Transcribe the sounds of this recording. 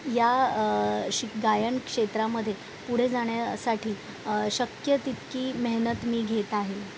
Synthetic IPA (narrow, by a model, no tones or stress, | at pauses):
ja | ɕiɡajəɳkʂet̪ɾaməd̪ʱːje | puɽ̤ed͡zaɳ̃jasaʈʰiː | ɕəkjət̪it̪kiːməɦnət̪miːɡʱet̪aɦel